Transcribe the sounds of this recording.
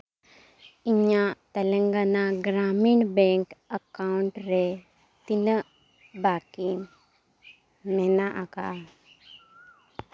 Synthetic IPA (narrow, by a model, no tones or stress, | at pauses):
iɲat̪əlẽŋɡanaɡɾamiɳbẽŋkəkauɳʈɾe | t̪inə | bakin | menaʔaka